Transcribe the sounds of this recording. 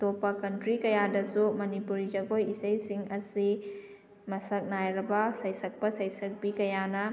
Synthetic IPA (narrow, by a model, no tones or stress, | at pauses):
topːɐkɐntɾikɐjadɐsumɐnipuɾid͡ʒɐɡojisɐjsiŋɐsi | mɐsɐk̚najɾɐbɐsɐjsɐk̚pɐsɐjsɐk̚bikɐjanɐ